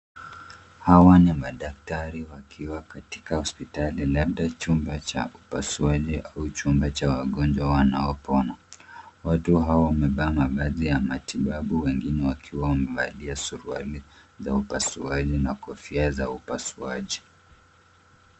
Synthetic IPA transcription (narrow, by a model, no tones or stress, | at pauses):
hawanimaɗak̚taɾiwakʰiwakati̥kahɔspitalilaɓ̚ɗat͡ʃumbat͡ʃa̰ʔupasuaʄiʔaut͡ʃumbat͡ʃawaɠɔnd͡ʒwawanaɔpɔnawatuɦawawamɛɓaːmavazijamatiɓaɓuwɛŋɡinɛwakʰiwawamɛva̰liasuɾua̰lizaupasuaʄinakɔfiazaupasua̰ʄi